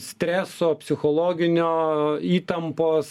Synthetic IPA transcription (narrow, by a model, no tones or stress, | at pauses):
sʲt̪ʲɾʲæːsoːpʲsʲɪxoːlˠoːɡʲɪnʲoːiːt̪ɐmpoːs